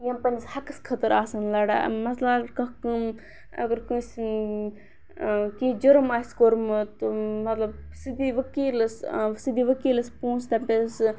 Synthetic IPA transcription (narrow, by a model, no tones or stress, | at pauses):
jɐmpɐnshɐkɨskʰɐt̪ɐɾaːsɐnlɐɽa̰mɐt̪lɐɡɾkɐkɨ | ɐ̰ɡɐɾkɨs | kĩːd͡ʒɐɾɐmaːiskoɾmɨt̪umɐt̪lɐb̚sɨd̪iʋɐkiːlɐssɨd̪iːʋəkiːlɐspũːnst̪ɐmpʲes